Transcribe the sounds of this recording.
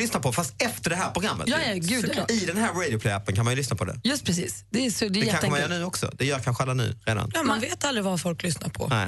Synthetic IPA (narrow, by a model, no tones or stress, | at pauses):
lʏsnapʰɔfast̪ɛft̪əɖɛɦæːɾpɾʊɡɾamːə̰jɑːɛɡʉːd̪ːɪd̪ɛnɦæːɾɾɛd̪ɪʊpʰlɛjæpːənkʰanmanjʏlʏsnapʰɔd̪ɛ̰jɵst̪pʰɾɛsḭːsd̪ɛːsd̪ɛdɛjɛkanɛəmnjœːnʉ̟ːɔksɔ̰d̪ɛjœːɾjakʰanɧəalːanʉ̟̰ːɾeːd̪a̰njɑmanveːt̪ald̪ɾɪvafɔlklʏsna̰ɾpʰɔ̰nɛ